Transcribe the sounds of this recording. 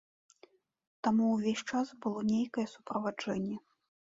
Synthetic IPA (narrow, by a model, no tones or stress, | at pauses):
t̪amuwvʲesʲt͡ʂasbɨlˠɔnʲejkɐjɛsupɾɐvad͡ʐɛnʲːɛ